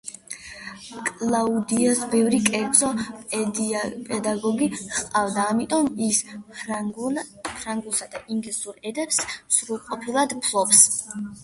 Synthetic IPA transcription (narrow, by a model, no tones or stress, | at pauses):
kʼlˠaud̪iasbɛvɾikʼɛɾd̪z̥ʼɔ | pʼɛd̪aɡɔɡiχqʼavd̪aːmit̪ʼɔmis | pʰɾaŋɡusad̪aʔiŋɡlisuɾɛd̪ɛpssɾulˠqʼɔpʰilˠad̪pʰlˠɔps